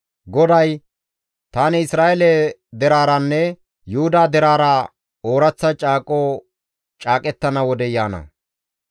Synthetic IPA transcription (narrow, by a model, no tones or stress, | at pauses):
ɡɔd̪ɐj | t̪aːnɛɪsɾaːʔɛlɛd̪ɛɾaːɾɐnːɛ | jʊhʊd̪aːd̪ɛɾaːɾɐ | oːɾɐt͡sːɐt͡ʃʼaːkʼoː | t͡ʃʼaːkʼɛt̪ːɐnɐwɔd̪ɛjaːnɐ̰